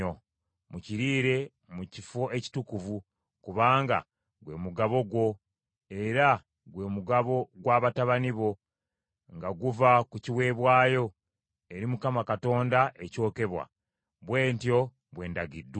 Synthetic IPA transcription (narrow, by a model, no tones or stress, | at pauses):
o | muciɾiːɾe̞ | mucifo̞e̞ci̥tukuvu | kuβaːŋɡa̰ | ɡwe̞̰ːmuɡaβo̞ɡwo̞ | e̞ɾa | ɡwe̞ːmuɡaβo̞ɡwaːβataβaniβo̞ | ŋɡaɡuvakuciwe̞ːβwaːjo̞ | eɾimukamakato̞ːndaʔeco̞ːke̞βwa̰ | βwe̞ːntjo̞ | βwe̞ːndaɡidː